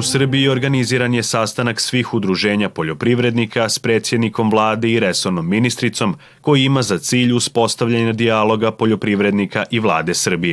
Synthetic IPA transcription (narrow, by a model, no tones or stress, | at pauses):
usr̩biio̞ɾɡaniziːɾanje̞sast̪anaksʋiːxud̪ɾuʒe̞ːɲapo̞ʎo̞pɾiʋɾe̞d̪nikaspɾe̞t̪sje̞d̪niko̞mʋlˠaːd̪e̞iɾe̞so̞ɾno̞mːinist̪ɾit̪so̞m | ko̞jiimazat̪siːʎuspo̞st̪aʋʎaɲad̪ialˠo̞ɡapo̞ʎo̞pɾiʋɾe̞d̪nikaʔiʋlˠa̰ːd̪e̞sr̩bije